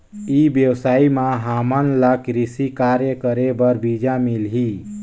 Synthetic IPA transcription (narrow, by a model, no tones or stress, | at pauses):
ibjəwsaːimãɦamənlakɾisikaɾjəkəɾebəɾbid͡ʒamilɦi